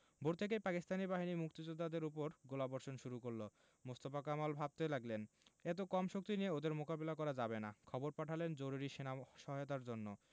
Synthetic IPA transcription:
bʱoɾt̪ʰek̬epakist̪ʰanibaɦinimuk̚t̪id͡ʑod̪ːad̪eɾup̬oɾɡolabɔɾʃonʃuɾukoɾlo | most̪ofakamalbʱab̚t̪elaɡlenet̪̬okɔmʃok̚t̪inijeod̪eɾmokabelakɔɾad͡ʑabenakʰɔboɾpaʈʰalend͡ʑoɾuɾiʃenaʃɔɦajot̪̬aɾd͡ʑonːo

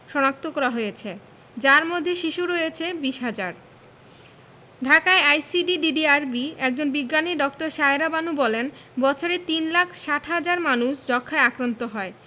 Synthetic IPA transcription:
ʃɔnak̚t̪okɔɾaɦojet͡ɕʰe | d͡ʑaɾmod̪ʱːeʃiʃuɾojet͡ɕʰebiʃɦad͡ʑaɾ | ɖʱakaeajsiɖiɖiɖiaɾbiɛk̚d͡ʑonbiɡːaniɖɔkʈoɾʃaeɾabanubɔlenbɔt͡ɕʰoɾet̪inlakʰʃaʈʰɦad͡ʑaɾmanuʃd͡ʑɔkʰːaeakɾant̪oɦɔe

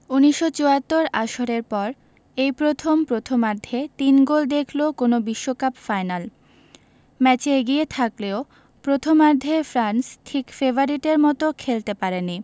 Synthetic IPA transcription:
uniʃːot͡ɕoat̪ːoɾaʃoɾeɾpɔɾ | ejpɾot̪ʰompɾot̪ʰomaɾd̪ʱet̪inɡold̪ekʰlokonobiʃːokapfajnal | mɛt͡ɕeeɡiet̪ʰakleo | pɾot̪ʰomaɾd̪ʱefɾansʈʰikfeboɾiʈeɾmɔt̪okʰelt̪epaɾeni

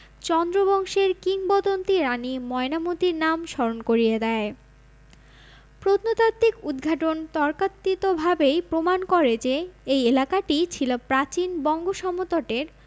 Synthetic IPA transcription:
t͡ɕɔnd̪ɾobɔŋʃeɾkiŋbɔd̪ont̪iɾanimɔenamut̪iɾnamʃɔɾonkoɾijed̪ɛe | pɾot̪not̪at̪ːikud̪ɡʱaʈont̪ɔɾkat̪ːit̪obʱabejpɾomankɔɾed͡ʑeejelakaʈit͡ɕʰilopɾat͡ɕinbɔŋɡoʃɔmot̪oʈeɾ

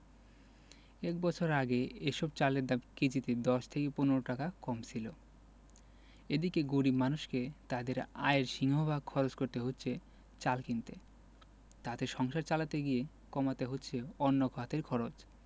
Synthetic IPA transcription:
ɛkbɔt͡ɕʰoɾaɡeeʃɔb̚t͡ɕaleɾd̪abkid͡ʑit̪ed̪ɔʃt̪ʰekeponeɾoʈakakɔmt͡ɕʰilo | ed̪ikeɡuɽimanuʃket̪ad̪eɾa̰eɾʃiŋɦobʱaɡ̚kʰɔɾot͡ɕkoɾt̪eɦotːɕʰe | t͡ɕalkint̪e | t̪at̪eʃɔŋʃaɾt͡ɕalat̪eɡije | kɔmat̪eɦotːɕʰeɔnːokʰɔat̪eɾkʰɔɾot͡ɕ

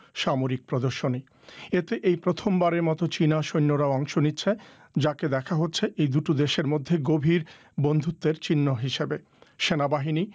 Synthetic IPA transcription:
ʃamoɾik̚pɾod̪oɾʃoni | et̪eʔejpɾot̪ʰombaɾeɾmɔt̪ot͡ɕinaʃojnːoɾaoɔŋʃonitːɕʰe | d͡ʑaked̪ɛkʰaɦotːɕʰeʔejd̪uʈod̪eʃeɾmod̪ʱːeɡobʱiɾ | bond̪ʱut̪ːeɾt͡ɕinːoɦiʃebe | ʃenabaɦini

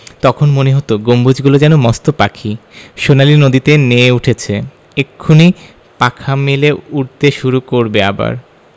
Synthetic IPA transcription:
t̪ɔkʰonmoneɦot̪oɡombud͡ʑɡulod͡ʑɛnomɔst̪opakʰiʃonalinod̪it̪eneuʈʰet͡ɕʰe | ekʰːuni | pakʰameleuɾt̪eʃuɾukoɾbeaba̰ɾ

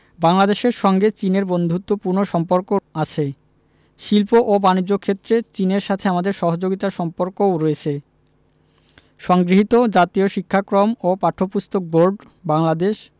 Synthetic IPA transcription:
baŋlad̪eʃeɾʃɔŋɡet͡ɕineɾbond̪ʱut̪ːopuɾnoʃɔmpoɾkoat͡ɕʰe | ʃilpoʔobanid͡ʑːokʰet̪ːɾet͡ɕineɾʃat̪ʰeamad̪eɾʃɔɦod͡ʑoɡit̪aʃɔmpoɾkoɾɔet͡ɕʰe | ʃɔŋɡɾiɦit̪od͡ʑat̪ioʃikʰːakɾomopaʈʰːopust̪ok̚boɾɖ | baŋlad̪eʃ

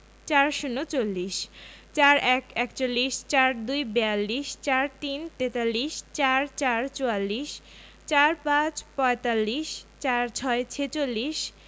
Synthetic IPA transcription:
t͡ɕaɾʃunːot͡ɕolːiʃt͡ɕaɾɛkɛkt͡ɕolːiʃt͡ɕaɾd̪ujbɛalːiʃt͡ɕaɾt̪int̪et̪alːiʃt͡ɕaɾt͡ɕaɾt͡ɕoalːiʃ | t͡ɕaɾpãt͡ɕpɔet̪alːiʃt͡ɕaɾt͡ɕʰɔet͡ɕʰet͡ɕolːiʃ

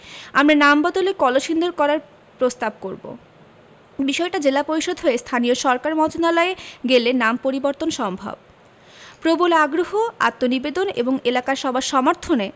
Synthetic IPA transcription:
amɾanambɔd̪olekɔloʃind̪oɾkɔɾaɾ | pɾost̪ab̚koɾbo̰ | biʃɔeʈad͡ʑelapoɾiʃod̪ʱɦoest̪ʰanioʃɔɾkaɾmɔd͡ʑonalaeɡelenampoɾiboɾt̪onʃɔmbʱa̰b̚ | pɾobolaɡɾoɦoa̰t̪ːonibed̪onḛboŋelakaɾʃɔbʱaɾʃɔmaɾt̪ʰone

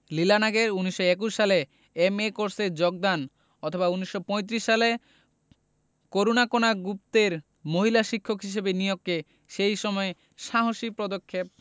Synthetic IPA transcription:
lilanaɡeɾuniʃoek̬uʃːale | emekoɾseɾd͡ʑoɡ̚d̪an | ɔt̪ʰobauniʃːopɔ̃jt̪̬ɾiʃːale | koɾonakonaɡup̚t̪eɾ | moɦilaʃikʰːokɦiʃ̬ebenijokːe | ʃejʃɔmɔe | ʃaɦoʃipɾɔd̪okʰːep̚

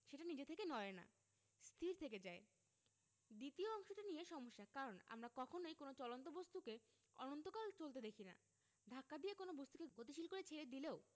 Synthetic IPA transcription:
ʃeʈanid͡ʑet̪ʰekenɔena̰ | st̪ʰiɾt̪ʰeked͡ʑae | d̪it̪ioɔŋʃoʈanijeʃɔmoʃːakaɾona̰mɾakɔkʰonojkonot͡ɕɔlont̪obost̪uke | ɔ̰nont̪okalt͡ɕolt̪ed̪ekʰina̰ | d̪ʱakːad̪ijekonobost̪ukeɡot̪̬iʃilkoɾet͡ɕʰeɾed̪ileo

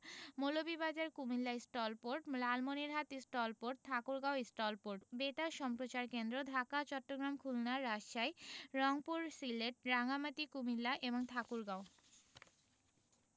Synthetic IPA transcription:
molobibad͡ʑaɾkumilːaisʈɔlpoɾʈlalmoniɾɦat̪isʈɔlpoɾʈ̚t̪ʰakuɾɡaoisʈɔlpoɾʈbeʈaɾʃɔmpɾot͡ɕaɾkend̪ɾod̪ʱakat͡ɕɔʈːoɡɾamkʰulnaɾːaʃajɾɔŋpuɾsileʈ̚ɾaŋamat̪ikumilːaʔeboŋt̪ʰakuɾɡao

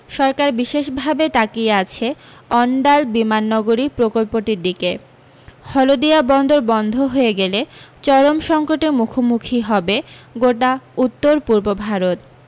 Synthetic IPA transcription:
ʃɔɾkaɾbiʃeʃbʱabet̪akiat͡ɕʰe | ɔɳɖalbimanːɔɡoɾipɾokolpoʈiɾd̪ike | hɔlod̪ijabɔnd̪ʱoɾbɔnd̪ʱoɦojeɡelet͡ɕɔɾomʃɔŋkoʈeɾmukʰomukʰiɦɔbeɡoʈaut̪ːoɾpuɾbobʱaɾot̪̚

